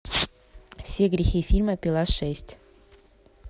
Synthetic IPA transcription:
fsʲeɡɾʲɪxifʲilʲməpʲilˠasʂɛsʲtʲ

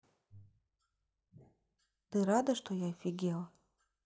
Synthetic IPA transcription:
t̪ɨɾad̪ɐʂt̪ɔjafʲiɡʲɛlˠ

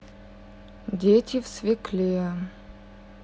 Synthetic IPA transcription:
dʲetʲɪfsvʲɪklʲe

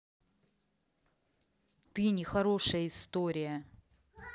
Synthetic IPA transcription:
t̪ɨnʲɪxɐɾo̞ʂəjəɪst̪oɾʲɪjə

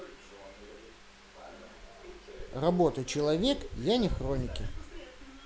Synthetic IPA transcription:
rɐbo̞t̪ət͡ɕɪlˠɐvʲekjanʲɪxɾonʲɪkʲɪ

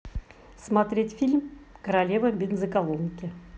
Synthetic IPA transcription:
smat̪ɾʲetʲfʲilʲmkəɾalʲevəbʲɪnzəkalˠonʲɪkʲɪ

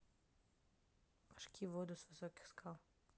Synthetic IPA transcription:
ḁʃkʰʲiʋod̪usʋisɔki̥xskaw

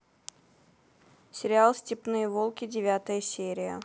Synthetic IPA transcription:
sʲɪɾʲɪalˠsʲtʲɪpnɨjəvolˠkʲɪdʲɪvʲat̪əjəsʲeɾʲɪjə̰

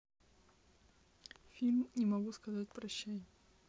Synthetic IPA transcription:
fʲilʲmnʲɪmɐɡuskɐzat̚ʲpɾɐɕːæj

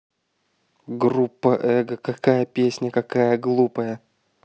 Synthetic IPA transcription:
ɡrupːəʔɛɡəkɐkajəpʲesʲnʲəkɐkajəɡlˠupəjə

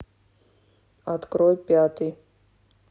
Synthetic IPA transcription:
at̪kɾɔjpʲat̪ɨj

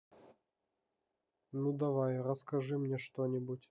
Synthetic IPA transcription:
nud̪ɐvajɾəskɐʐɨmnʲeʂt̪onʲɪbutʲ

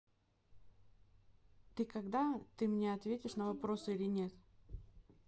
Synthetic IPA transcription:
t̪ɨkɐɡd̪at̪ɨmnʲeɐt̪vʲetʲɪʂnəvɐpɾo̞sɨilʲɪnʲe̞t̪

